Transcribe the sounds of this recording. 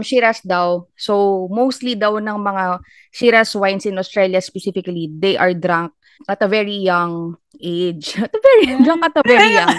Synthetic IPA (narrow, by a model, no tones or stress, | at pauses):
mʃiɾɐsd̪ɐwsowmowst̪lid̪ɐwnɐŋmɐŋa | ʃiɾɐswajnsɪ̃nost̪ɹɛljɐspɛsifɪkɐlid̪ejʔɐɹd̪ɾaŋk̚ | ʔɐt̪ɐvɛɹijaŋ | ʔejd͡ʒɐt̪ɐvɛɹid̪aŋkɐt̪ɐvɛɹijaŋ